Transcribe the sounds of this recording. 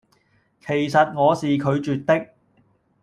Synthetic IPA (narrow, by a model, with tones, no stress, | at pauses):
kʰe˨˩jsɐ˨t̚ŋɔː˨˧siː˨kʰɵ˨˧ɥt͡ʃyː˨t̚t̪ɪ˥k̚